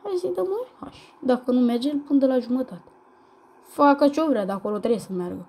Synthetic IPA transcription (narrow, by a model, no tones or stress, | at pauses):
hajzid̪əmojha̰ʃ | d̪akənumerd͡ʒempɨnd̪əlaʒumət̪at̪e̥ | fakət͡ʃovɾead̪akolot̪ɾejesəmearɡə